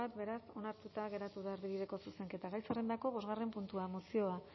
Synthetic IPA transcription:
at̪be̞ɾaso̞naɾt̪ut̪aɣe̞ɾat̪uð̞aaɾβiβiðe̞ko̞suse̞ŋke̞t̪aɣajsarend̪ako̞β̞o̞zɣare̞mpunt̪uamosio̞a

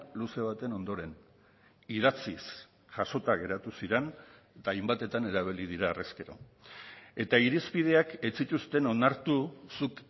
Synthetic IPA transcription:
luse̞β̞at̪e̞no̞nd̪o̞ɾe̞n | iðat͡sis | ʝ̥aso̞t̪aɣe̞ɾat̪usiɾen | t̪aːjmbat̪e̞t̪ane̞ɾaβ̞ilið̞iɾaːreske̞ɾo̞̰ | e̞t̪aiɾispið̞e̞ake̞t͡sit̪ust̪e̞no̞naɾt̪usuk

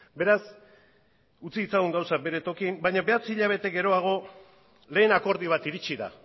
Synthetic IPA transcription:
be̞ɾas | ut͡siːt͡saɣuŋɡawsak̚be̞ɾe̞t̪o̞kimbajɲaβe̞at͡siʎaβ̞e̞t̪e̞ɡe̞ɾo̞aɣ̞o̞ | le̞ːnako̞ɾðiβ̞at̪iɾit͡ʃiða̰

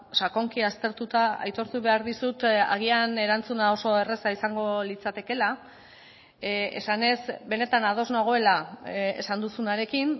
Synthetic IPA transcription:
sako̞ŋkiast̪e̞ɾt̪ut̪aa̰jt̪o̞ɾt̪uβe̞aɾðisut̪a̰ɣ̞iane̞ɾant͡sunao̞so̞e̞re̞saisaŋɡo̞lit͡sat̪e̞ke̞la | e̞̰sane̞zbe̞ne̞t̪anaðo̞znoɣ̞o̞e̞laḛsand̪usunaɾe̞kin

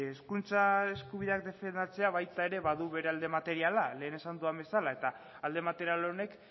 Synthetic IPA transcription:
eskunt͡sae̞skuβiðe̞ak̚d̪e̞fe̞nd̪at͡se̞aβ̞ajt̪ae̞ɾe̞βaðuβe̞ɾe̞ald̪e̞mat̪e̞ɾialale̞ːne̞sand̪uambe̞salae̞t̪aː | ld̪e̞mat̪e̞ɾialone̞k

